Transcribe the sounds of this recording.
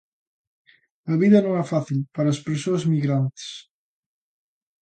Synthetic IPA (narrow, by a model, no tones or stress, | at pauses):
ɐβiðɐnõŋɛfaθilpaɾɐːspeɾsoɐzmiɣɾant̪e̥s